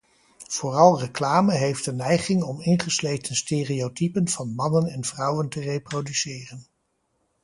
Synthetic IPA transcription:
v̥ʊːrɑlˠrəklaːməɦejftənɛjχɪŋɔmɪnχəslejtənsteːriotipənv̥ɑnmɑnənɛnvrʌwəntərejprowdysɪːrən

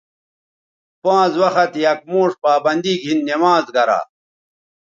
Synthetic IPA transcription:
pãːzwɐxɐt̪jɐk̚moːʂpaːbɐnd̪iɡʱinːemaːzɡɐɾa̰ː

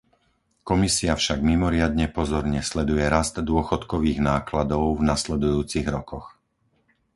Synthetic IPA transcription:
kɔmisiafʃaɡmimɔɾɪad̪ɲɛpɔzɔɾɲɛslɛd̪ujɛɾazt̪d̪ʊɔxɔt̪kɔʋiːɣnaːklad̪ɔʊvnaslɛd̪ujuːt͡siɣɾɔkɔx

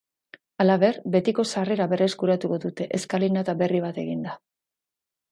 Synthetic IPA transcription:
alaβe̞rbe̞t̪iko̞sare̞ɾaβe̞reskuɾat̪uko̞ðut̪e̞ʔeskalinat̪aβe̞riβ̞at̪e̞ɣind̪a

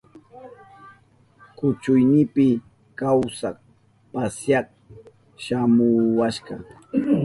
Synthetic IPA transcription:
kʊt͡ʃʊjnɪpɪ | kawsak̚ | pasjɑk̚ | ʃamʊwaʃɢɑ

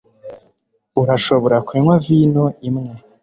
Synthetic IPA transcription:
uɾaʃo̞βoɾakweːŋwaviːnoimŋe

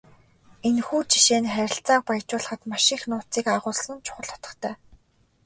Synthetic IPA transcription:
enxuːt͡ɕi̥ʃeːnχæɾʲɪ̆ɬt͡saːq̚pajt͡ɕʊːɮə̆χə̆t̪maʃɪ̆xnʊːt͡siːkaʁʊːɮsə̆nt͡ɕʰʊ̥χə̆ɮ̥ɔ̥t̪ə̆χt̪ʰæː

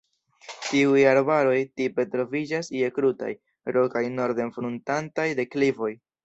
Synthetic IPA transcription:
tiujaɾbaɾo̞jtipe̞tɾo̞vid͡ʒasie̞kɾuta̰j | ɾo̞kajno̞ɾde̞nfɾuntantajde̞klivo̞j

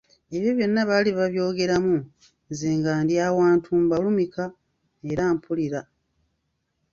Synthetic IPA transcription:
e̞βjo̞βjo̞nːaβaːliβaβjo̞ːɡe̞ɾamu | nzeːŋɡaːndjaːwaːntʰuːmbalumikʰa | e̞ɾaːmpʰuliɾa

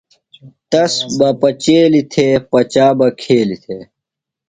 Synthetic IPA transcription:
t̪ɐsbɐpɐt͡ɕeːlit̪ʰeːpɐt͡ɕaːbɐkʰeːlit̪ʰeː

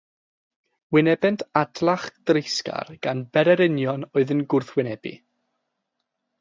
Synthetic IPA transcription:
wɪnɛbɛntʰadlˠaχd̥rɪjska̰rɡ̥anbɛɾɛɾɪnjɔnɔɨðənɡʊrθwɪnɛbḭ

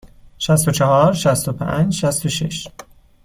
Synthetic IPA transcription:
ʃæst̪o̞t͡ʃʰɑhɒːɾʃæst̪o̞pʰæ̰nd͡ʒʃæst̪oʃḛʃ

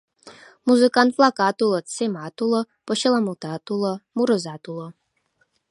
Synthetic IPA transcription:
muzɨkant̪flˠɑkɑt̪ulˠɤ̆t͡semat̪ulˠɤ̆ | pŏɕəlˠamult̪ɑt̪ulˠɤ̆muɾə̆zɑt̪ulˠɤ̆

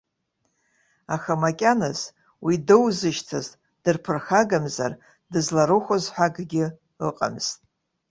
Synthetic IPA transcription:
axamakʲʼanɨz | widɨwzɨʃtʰɨztʼ | d̥ɨrpʰɨrxaɡamza̰r | dɨzlaɾɨχʷozħʷᶣaɡɡʲɪ | ɨ̰qʼa̰mz̥tʼ

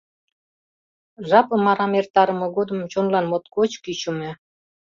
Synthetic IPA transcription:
ʒɑpɤ̆mɑɾɑmert̪ɑɾə̆mɤ̆ɣod̪ə̆mt͡ɕonlɑnmot̪kot͡ɕkyt͡ɕumĕ

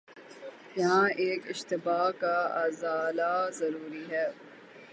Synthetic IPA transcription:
jɐɦãːʔeːkɪʃt̪ɪbaːkaa̰ːzaːlazɐɾuːɾiɦɛː

